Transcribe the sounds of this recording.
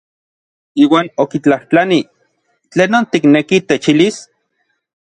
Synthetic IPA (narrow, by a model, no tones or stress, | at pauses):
iːwaːnokit͡ɬaht͡ɬani | t͡ɬeːnːoːnt̪iknekit̪et͡ʃilis